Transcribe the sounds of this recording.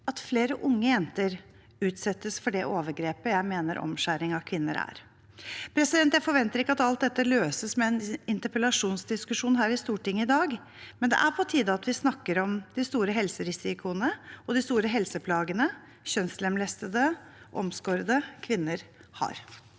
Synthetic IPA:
ɑt̪fleːɾəʔʊŋːəjɛnt̪əɾ | ʉːt̪sɛt̪ːəsfɔɖɛʔoːʋəɾɡɾeːpəjæɪmeːnəɾʔɔ̰mʂæːɾɪŋɑkʰʋɪnːə̰ɾæ̰ːɾ | pʰɾɛsɪd̪ɛnt̪jæɪfɔɾʋɛnt̪əɾɪkːəɑt̪ɑlt̪̚d̪ɛt̪ːəløːsəsmɛɛnɪnt̪əɾpəlɑʂuːnsd̪ɪskʉʂuːnɦæːɾɪst̪uːʈɪŋːəɪd̪ɑːɡ | mɛnd̪ɛ̰ʔæɾpʰɔt̪ʰiːd̪əɑt̪ʋɪsnɑkːəɾɔmd̪ɪst̪uːɾəɦɛlsəɾɪsɪkʰʊənəɔd̪ɪst̪uːɾəɦɛlsəpʰlɑːɡənə | ɕœnslɛmlɛst̪əd̪ə | ʔɔmskoːɾəd̪əkʰʋɪnːəɾhɑ̰ɾ

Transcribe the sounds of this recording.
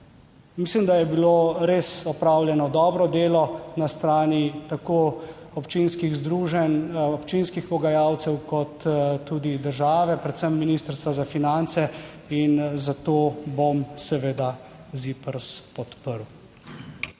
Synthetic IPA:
mislimd̪ajɛbiloɾesɔpɾawljɛnɔd̪ɔːbɾɔd̪eːlɔnast̪ɾaːnit̪akoɔpt͡ʃinskiɣzd̪ɾuːʒɛnɔpt͡ʃinskixpɔɡajawt̪sɛwkɔt̪ːuːd̪id̪əɾʒaːʋɛpɾɛt̪səmːiniːst̪əɾst̪ʋazafinant̪sɛ | inzat̪obomsɛʋeːd̪a | zipəɾspɔt̪pəɾw

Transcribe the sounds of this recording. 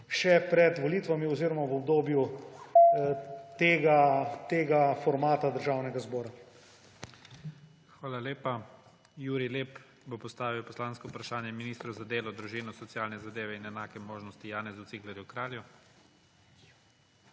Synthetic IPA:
ʃɛpɾɛd̪ʋɔliːt̪ʋamiɔziɾɔmaʋɔbd̪oːbju | t̪eːɡat̪eːɡafɔɾmaːt̪ad̪əɾʒaːwnɛɡazbɔːɾa | xʋaːlaleːpa | juːɾileːp | bopɔst̪aːʋiwpɔslaːnskɔupɾaʃaːnjɛminiːst̪ɾuzad̪eːlɔd̪ɾuʒiːnɔsɔt̪sjaːlnɛzad̪eːʋɛinɛnaːkɛmoːʒnɔst̪ijaːnɛzut̪siklɛɾjukɾaːlju

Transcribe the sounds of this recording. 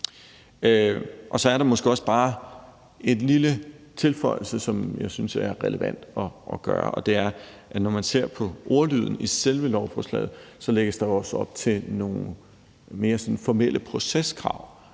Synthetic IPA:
ʔɒ̽sɒ̽æɐɾ̥ɑ̈mɒ̽sɡ̥e̝ɒ̽səb̥ɑ̈ː | e̝nlilət͡sʰe̝lfɒ̽ɪl̩səsɒ̽mjɑ̈ɪsynsæɐʁɛləʋæn̰d̥ɒʔɒɡ̥ɶ̰ːɐ̰ʔɒ̽d̥e̝æɐʔænɒmænse̝ɐ̰pʰɒ̽ʔo̝ːɐlyð̞̰ˠn̩iselʋəlɒʊfɒslɛ̰ɪð̩ˠsɒ̽leɡ̥əsd̥ɑ̈oɒ̽sɒ̽b̥̚t͡sʰe̝no̝ːn̩ | me̝ːɐsɔ̽nfɒmel̰ʔəpʰʁo̝seskʰʁɑ̈ʊ̰

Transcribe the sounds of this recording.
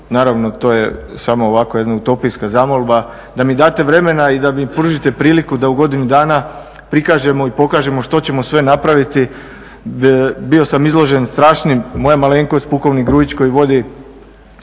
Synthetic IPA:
naːɾaʋno̞t̪o̞ːjesamo̞ːʋako̞je̞d̪naut̪o̞piskazamolˠba | d̪amid̪aːt̪e̞ʋɾe̞me̞naid̪amipɾuʒit̪e̞pɾiːlikud̪auɡo̞d̪inud̪aːna | pɾikaːʒe̞mo̞ipo̞kaːʒe̞moʃt̪o̞t͡ɕe̞mo̞sʋe̞napɾaʋit̪i | bio̞samizlˠo̞ʒe̞nst̪ɾaːʃnimo̞jamaleːŋkospuko̞ʋniɡɾuːjit͡ɕko̞jiʋo̞d̪i

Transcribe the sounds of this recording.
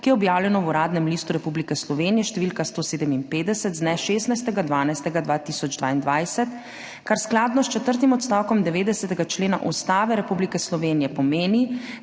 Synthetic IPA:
kijɛɔbjaːwlʲjɛnɔwuɾaːd̪nɛmliːst̪uɾɛpublikɛslɔʋeːnijɛʃt̪ɛʋilkast̪oːseːd̪ɛminpeːd̪ɛsɛt̪znɛʃeːst̪najst̪ɛɡad̪ʋaːnajst̪ɛɡad̪ʋaːt̪isɔd͡ʒd̪ʋa̰ːind̪ʋajsɛt̪ | kaɾsklaːd̪nɔst͡ʃɛt̪əɾt̪imɔt̪st̪aːwkɔmd̪ɛʋeːd̪ɛsɛt̪ɛɡat͡ʃleːna̰ʔust̪aːʋɛɾɛpublikɛslɔʋeːnijɛpɔmeːni

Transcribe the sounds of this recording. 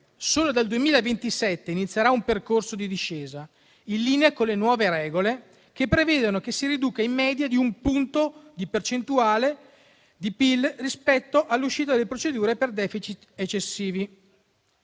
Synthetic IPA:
soːlod̪ald̪uemiːlaevent̪isɛt̪ːeinit̪sːjaɾaumperkorsod̪id̪iʃːeːza | inlːiːneakonlenwɔːveɾɛːɡole | kepːɾeveːd̪onokesːiɾid̪uːkaimːɛːd̪jad̪iumpunt̪od̪ipert͡ʃent̪uaːle | d̪ipilrispɛt̪ːoʔalːuʃːiːt̪̬ad̪elːepɾot͡ʃed̪uːɾeperd̪ɛːfit͡ʃit̪et͡ʃːesːiːvi

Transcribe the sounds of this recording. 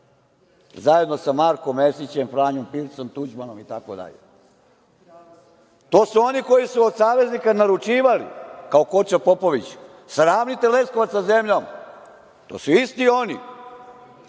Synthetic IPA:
zaje̞d̪no̞samaɾko̞mːesit͡ɕe̞mfɾaːɲompilsomt̪ud͡ʑmano̞mit̪ako̰d̪a̰ʎḛ | t̪o̞ːsuo̞niko̞jisuod̪saːʋe̞znikanaɾut͡ʃiːʋalḭkaoko̞t͡ɕapo̞po̞ʋit͡ɕ | sɾaːmnit̪ele̞skoʋat̪saze̞mʎo̞m | t̪o̰suist̪io̞nḭ

